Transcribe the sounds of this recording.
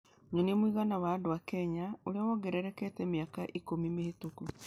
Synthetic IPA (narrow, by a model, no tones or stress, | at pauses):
ɲonemwiɣanawadowakɛɲaoɾeawɔɡɛɾɛɾɛkɛtɛmiakaʔikomimehetoku